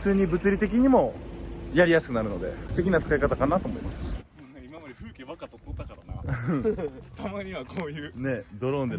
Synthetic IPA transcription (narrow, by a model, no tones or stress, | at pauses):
ɯ̥t͡sɨːɲ̟ibɯ̟t͡sɨɾʲit̪e̞kʲiɲ̟imo̞jaɾʲijasɨ̥kɯ̟naɾɯ̟nod̪ḛɯ̥t̪e̞kʲinat͡sɨ̥kaikat̪akanat̪o̞ːmo̞̰ḭma̰sɨ̥ | imamad̪eɸɯkeβakat̪ot̪ːot̪ːakaɾanã | t̪ʰamaɲ̟iβakʰoːjɯːne̞d̪o̞ɾõnd̪e